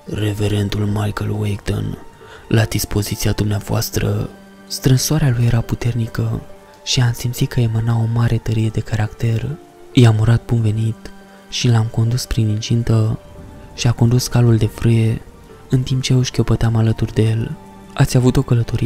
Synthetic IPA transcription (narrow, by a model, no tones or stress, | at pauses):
re̞ve̞ɾe̞nt̪ulmajkəlwekd̪o̰n | lad̪ispo̞zit̪siad̪umneavoa̰st̪ɾə̰ | st̪ɾɨnsowaɾealuje̞ɾaput̪e̞rnikə | ʃiamsimt̪sit̪kʰəe̞manao̞maɾʔe̞t̪əɾije̞d̪e̞kaɾakt̪e̞r | ɨjamuɾat̪̚bunve̞nit̪ | ʃilamko̞nd̪uspɾinint͡ʃint̪ə | ʃiakond̪uskaluld̪e̞fɾɨje̞ | ɨnt̪imp̚t͡ʃe̞oʃkʲopət̪eamalət̪urd̪eje̞l | a̰t̪sʲavut̪o̞kələt̪o̞ɾie